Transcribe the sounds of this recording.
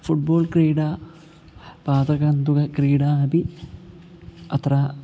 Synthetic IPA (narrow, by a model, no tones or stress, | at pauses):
fuʈ̚boːlkriːɽaː | paːd̪ɐɣɐnd̪uɣɐkɾiːɽaːɐbi | ɐt̪raː